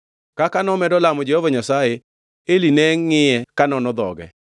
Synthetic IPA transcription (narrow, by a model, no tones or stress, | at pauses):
kakanɔmɛdɔlamɔd͡ʒehovaɲasaje | elinɛŋːɪjɛkanɔnɔd̪ɔ̰ɡɛ̰